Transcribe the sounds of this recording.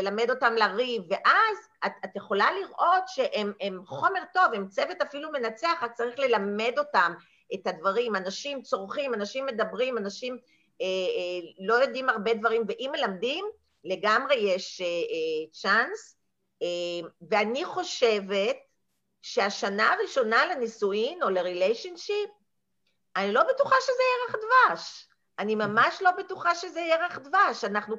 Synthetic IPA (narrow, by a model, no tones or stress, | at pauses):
elame̞do̞tamlaʁivːe̞ʔaz | atat̪jeχo̞laliʁʔo̞tʃe̞ʔememχo̞me̞ʁto̞vemt͡sevetafilume̞nat͡seaχat̚t͡saʁiχle̞lame̞do̞tam | etadvaʁimanaʃimt͡soʁχimanaʃimːe̞dabʁimanaʃim | elo̞jo̞dimaʁbedvaʁimveʔimːe̞lamdim | le̞ɡamʁe̞jeʃeet͡ʃans | eveaniχo̞ʃe̞ve̞t̚ | ʃeaʃanaːʁiʃo̞nalenisuino̞leʁilejʃonʃip̚ | anilo̞betuχaʃezejeʁaχd̪vaʃ | animamaʃlo̞betuχaʃezejeʁaχdvaʃanaχnu